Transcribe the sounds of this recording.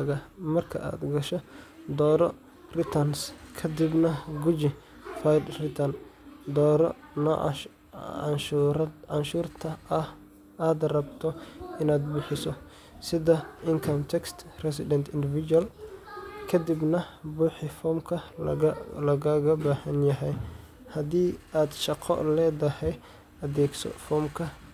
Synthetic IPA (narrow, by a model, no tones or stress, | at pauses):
ɣɐmɐrkʰɐ̰ʔa̰ːd̪ɡɐʃɔd̪ɔːɾɔ | rɪt̪ʰɐnskʰɐd̪ibnɐɡʊd͡ʒɪ | fajd̪rɪt̪ʰɐn | d̪ɔːɾɔn̰ | nʃɾʕanʃuːrt̪ʰɐɐh | aːd̪rɐbt̪ʰɔɪnaːd̪bʊħɪsɔ | sɪðɐɪŋkʰɔmt̪ʰɛkst̪rɛsɪd̪ɛnt̪ʰɪnd̪ɪvɪd͡ʒuɐl | kʰɐd̪ibnɐbʊːħɪfɔːmkʰɐ | lɐɣɐɣɐbaːhɐnjɐɦɛj | hɐd̪iːaːd̪ʃɑqʰɔ̰lɛːd̪ɐhɛj | ʔɐðɛːɡsʰɔ̰fɔːmkʰɐ